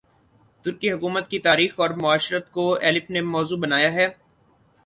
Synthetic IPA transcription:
t̪ʊɾkiɦʊkuːmət̪̚kit̪aːɾiːxɔːɾmʊaːʃɾət̪koɛːlɪfnemɔːzuːbɐnaːjaɦɛː

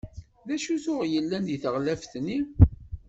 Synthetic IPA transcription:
ðæʃuθʊʁjəlːænd̪iθəʁlæfθni

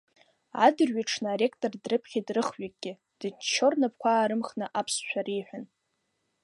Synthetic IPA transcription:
a̰dɨrɥaʈ͡ʂʰnaaɾe̞kʰʼtʼordrɨpʰχʲidrɨχɥak̚ʼɡʲɪ | d̥ɨt͡ʃʰːo̞rnap̚ʰkʷʰaːɾɨmχnɨʔapʰsʃʷʰᶣaɾejħʷᶣan

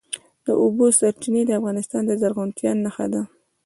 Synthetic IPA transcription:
d̪̥əʔobosaɾt͡ʃined̪əafɣɑnɪst̪ɑnd̪əzaɾɣʊnt̪jɑnːaxa̰d̪a

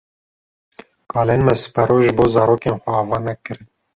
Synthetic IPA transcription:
kɑːlenmɛsɨ̥pɛɾoʒɨboːzɑːɾoːkenxʷɛɑːvɑːnɛkɨɾɨn

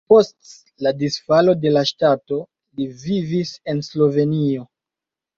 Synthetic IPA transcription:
po̞st | ladisfalo̞de̞laʃtato̞ | livivise̞nslo̞ve̞nio̞

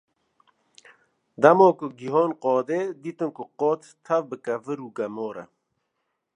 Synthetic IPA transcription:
d̪ɐmoːkʊɡiɦɔːnqɔːd̪eːd̪it̪ɨnkʊqɔːt̪t̪ʰːɐvbɨkɐvɨɾuːɡɐmoːɾɐ̰

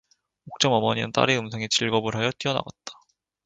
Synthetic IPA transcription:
ok̚t͡ɕ͈ʌmʌmʌɲiɯ̰nt͈a̰ɾiɯmsʰeŋet͡ɕiɭɡʌbɯɭɦajʌt͈iʌna̰ɡat̚t͈ḁ

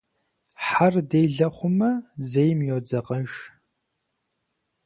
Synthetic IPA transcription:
ħardejɮɐχʷʊmɐzejmjod͡zɐqɐʒ

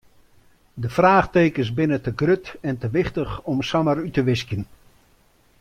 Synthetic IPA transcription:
dəfraːχteːkəsbɪnətəɡrøtɛntəʋɪχtəxɔmsamərytəʋɪskjən

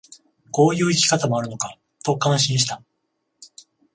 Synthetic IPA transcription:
ko̞ːjɯ̟ːikʲi̥kat̪amo̞aɾɯ̟no̞ka | t̪o̞kãɕĩɰ̃ɕi̥t̪a

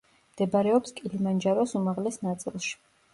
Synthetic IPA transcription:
md̪̥ɛbaɾɛɔpskʼilimand͡ʒaɾɔsumaʁlɛsnat̪sʼilˠʃi̥

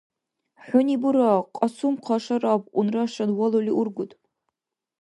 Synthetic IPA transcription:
ħʷʊnibuɾaqʼɐsumqʰɑʂɐraːbʊnrɐʂɐnwɐloliʔʊrɡʷʊtʼ

